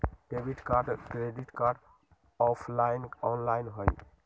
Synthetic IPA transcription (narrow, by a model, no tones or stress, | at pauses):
kebiʈkaɾɖkɾeɖiʈkaɾɖ | ɔpʰlaɪnɔnlaɪnɦoj